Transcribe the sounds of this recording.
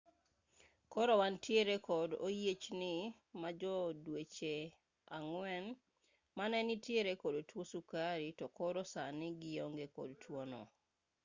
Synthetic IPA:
kɔɾɔwantjeɾekɔdo̰jet͡ʃnɪ | mad͡ʒɔdwet͡ʃe | aŋwɛn | manɛnitjeɾekodotwosukaɾitɔkɔɾosanɪɡɪjɔŋɡekɔ̰dtʰwonɔ̰

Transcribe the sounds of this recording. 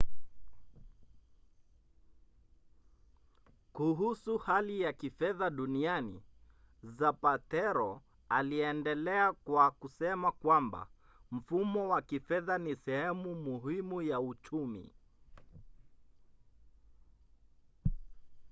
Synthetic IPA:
kuɦusuhalijakifɛðaɗunianḭ | zapatɛɾɔ | aliɛndɛlɛakwakusɛmakwamba̰ | m̩fumɔwakifɛðanisɛhɛmumuɦimujaut͡ʃumḭ

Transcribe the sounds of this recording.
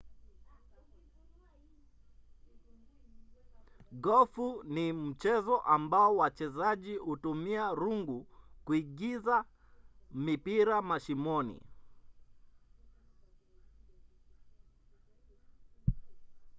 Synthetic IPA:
ɡɔfunim̩t͡ʃɛzɔʔambaɔwat͡ʃɛzaʄihutumiaɾuŋɡukuiɠiza | mipiɾamaʃimɔnḭ

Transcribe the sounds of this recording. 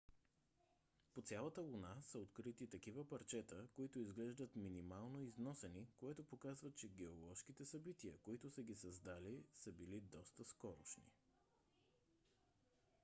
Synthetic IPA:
pot̪sʲalˠət̪əlˠunasəot̪kɾit̪it̪ɐkivəpɐɾt͡ʃɛt̪əkoit̪oizɡlɛʒd̪ət̪minimalˠnoiznɔsɛnikoɛt̪opokazvət̪̚t͡ʃɛɡɛolˠɔʃkit̪ɛsɐbit̪iəkoit̪ʊsəɡʲisɐzd̪alisəbilid̪ɔst̪əskɔɾo̰ʃnḭ

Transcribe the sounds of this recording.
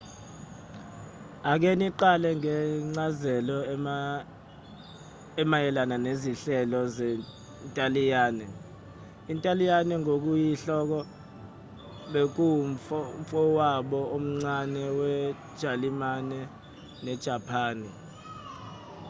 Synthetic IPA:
ak̬eniǃalɛŋɛŋ͡ǀazɛlɔ | ɛmajɛlananeziɬɛlɔzɛ | ntʼalijaːnɛ | intʼalijanɛŋok̬ujiɬɔk̬ɔ | ɓek̬uɱfɔwaɓɔom̩ŋ͡ǀanɛwɛd̥ʒ̥ʱalimanɛ | nɛd̥ʒ̥ʱapʰaːni

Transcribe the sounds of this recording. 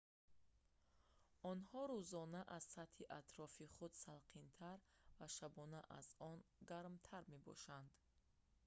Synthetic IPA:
ɔnhɔɾuzɔnaʔaz̥sat̪hiʔat̪ɾɔfiχud̪salqʰint̪ʰaɾvaʃabɔnaʔa̰zɔnɡaɾmt̪ʰaɾme̞bɔ̰ʃand̪

